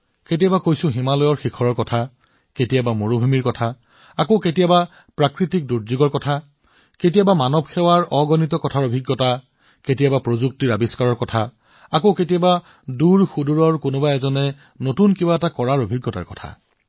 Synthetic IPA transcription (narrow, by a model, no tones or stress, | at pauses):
ketijabakojsʊ̃ɦimalɔjɔɹxikʰɔɹɔɹkɔtʰa | ketijabamoɹubʱumiɹkɔtʰa | akoketijaba | pɹakɹitik̚duɹzuɡɔɹkɔtʰa | ket̬ijabamanɔbxɛwaɹɔɡɔnitɔkɔtʰaɹobʱiɡːɔta | ketijabapɹozuk̚tiɹabiskaɹɔɹkɔtʰa | akoketijaba | duɹxuduɹɔɹkonʊbaɛzɔnɛ | notunkibaɛtakɔɹaɹobʱiɡːɔta̰ɹkɔtʰa̰